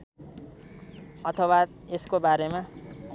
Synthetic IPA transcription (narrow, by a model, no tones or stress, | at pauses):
ʌt̪ʰʌwa | eskobaɾemã